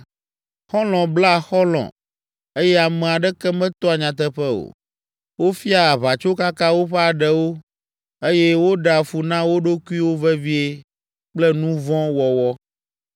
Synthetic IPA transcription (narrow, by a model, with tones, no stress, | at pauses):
xɔ˦lɔ̃˨bla˦˨xɔ˦lɔ̰̃˨ | e˦jɛ˦a˨mɛ̃˨a˨ɖɛ˦kɛ˦mɛ̃˦t̪ɔ˦a˨ɲã˨t̪ɛ˦ɸɛ˦o̰˨ | wo˦fi˦a˦˨βa˨t͡ʃo˦ka˦kã˦wo˦ɸɛ˦a˨ɖɛ˨wo˦ | e˦jɛ˦wo˦ɖa˨fu˨nã˦wo˦ɖo˦ku˦i˦wo˦vɛ˦vi˦e˦ | k͡plɛ˦nũ˦vɔ̃˦wɔ˨wɔ˦